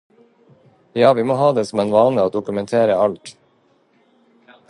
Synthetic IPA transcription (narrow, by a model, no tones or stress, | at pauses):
jɑːʋiːmoːhɑːd̪eːsɔm̩eːnʋɑːnəoːd̪ʊkʉmɛnt̪ʰeːɾəɑlt̪